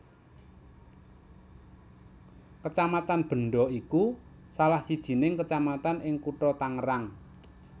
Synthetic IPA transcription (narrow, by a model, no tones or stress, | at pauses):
kət͡ʃamat̪anb̥ə̤ɳɖɔiku | salahsid̥ʒ̥i̤nɪŋkət͡ʃamat̪anʔɪŋkuʈɔt̪aŋəɾaŋ